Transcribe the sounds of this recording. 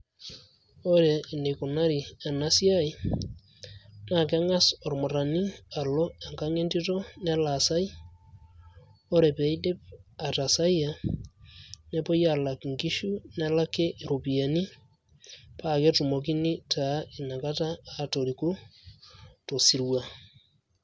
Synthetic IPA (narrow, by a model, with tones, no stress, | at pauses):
o˦ɾe˨ne˨ko˨na˦ɾi˨a˨na˦sja˦i | na˨ke˦ŋa˦so˨ɾmo˨ɾa˨ni˦a˨lo˦a˨ŋkaŋe˦nti˦to˦ne˦lasa˦i˦ | o˦ɾepe˨i˦de˦pa˨ta˨sa˦ia | ne˦po˦ja˨la˨kŋɡi˦ʃu˦ne˦la˦ke˦ʔɾo˨pi˨a˨ni˦ | pake˦tu˨mo˨k̬i˦ni˦ta˦e˨na˨ka˦taː˦to˨ɾiko˦ | to˨si˨ɾwa